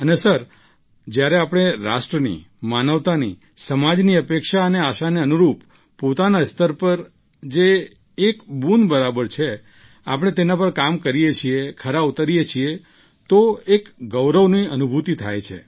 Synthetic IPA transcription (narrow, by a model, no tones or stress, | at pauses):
ənesəɾ | d͡ʒjaɾeapɽ̃eɾa̰ʃʈɾənḭ | manəʋt̪anḭ | səmad͡ʒniəpekʃaəneaʃaneənuɾup | pot̪anast̪əɾpəɾ | d͡ʒeː | kbunbəɾabəɾt͡ʃʰe | a̰pəɽ̃et̪enapəɾkamkəɾijet͡ʃʰiekʰəɾaut̪aɾijet͡ʃʰie | t̪oekɡəʋɾəʋniənubʱut̪it̪ʰa̰jt͡ʃʰḛ